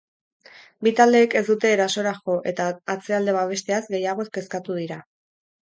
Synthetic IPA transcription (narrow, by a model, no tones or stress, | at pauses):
bit̪ald̪e̞ːke̞zd̪ut̪e̞ːɾaso̞ɾaxo̞ʔe̞t̪aːt͡se̞ald̪e̞βaβ̞e̞st̪e̞azɡe̞jaɣ̞o̞eske̞skat̪uð̞iɾa